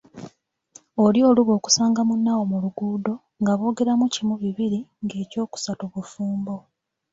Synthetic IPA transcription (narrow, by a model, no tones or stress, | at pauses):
olio̞ːluβo̞ːku̥saːŋɡamunːawo̞muluɡuːdo̞ | ŋɡaβo̞ːɡe̞ɾamucimuβiβiɾiŋɡe̞ːco̞ːku̥satuβufuːmbo̞